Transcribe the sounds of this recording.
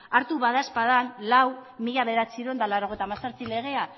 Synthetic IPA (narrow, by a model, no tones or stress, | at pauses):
aɾt̪uβaðaspaðanlawmiʎaβe̞ɾat͡siɾond̪alawɾo̞ɣe̞jt̪amasaɾt͡sile̞ɣ̞e̞a